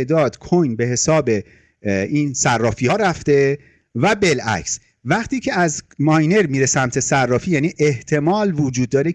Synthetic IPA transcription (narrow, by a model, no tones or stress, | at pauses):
d̪ɒːd̪̥kʰojnbe̞ɦe̞sɒːbe̞ | iːnsærːɒːfijɒːɾæft̪e̞ | væbe̞læ̰cs | væʁt̪ʰiːcʰe̞æzmɒːjne̞ɾmiːɾe̞sæmt̪ʰe̞særːɒːfiːjæːniːʔeht̪ʰe̞mɒːlvod͡ʒuːd̪ːɒːɾe